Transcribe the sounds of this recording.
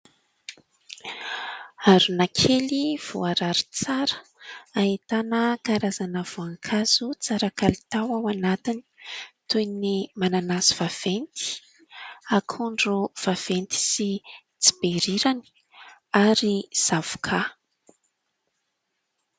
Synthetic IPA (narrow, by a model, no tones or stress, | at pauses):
aɾunakʰeliv̥uaɾaɾi̥t͡saɾə̥aɦit̪anəkaɾazanəv̥oaŋkʰazut͡saɾakalit̪awawanat̪ini̥t̪ujnimananasiv̥av̥ent̪i̥ | akʰuɳɖ͡ʐuv̥av̥ent̪i̥si | t͡si̥beɾiɾani̥ | aɾiz̥avu̥kʰa